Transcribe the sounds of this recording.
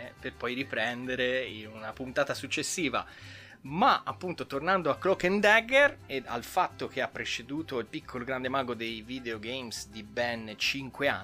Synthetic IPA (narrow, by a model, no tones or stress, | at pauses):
perpɔjɾipɾɛnd̪eɾeinunapunt̪aːt̪asut͡ʃːesːiːva̰ | maapːunt̪ot̪ornand̪oakːɾokɛnd̪ɛɡɛrea̰lfat̪ːok̟eapːɾet͡ʃed̪uːt̪oilpikʰːoloɡɾand̪emaːɡod̪ejviːd̪eoɡejmsd̪ibɛnt͡ʃiŋkwea